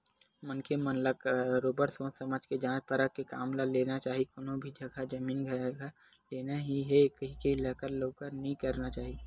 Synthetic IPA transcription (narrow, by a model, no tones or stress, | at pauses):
mənkʰemənləkɾoːbəɾsõːsɐməd͡ʒʱked͡ʒãːt͡ʃpəɾəkːeka̰ːmlaleːnat͡ʃaːɦikoːnõbʱid͡ʒʱɐɡʱad͡ʒɐmiːnɡʱa | leːnaɦiɦɛkɐɦikeɪlaːkəɾloːkəɾnɐɦĩkɐɾnat͡ʃaːɦi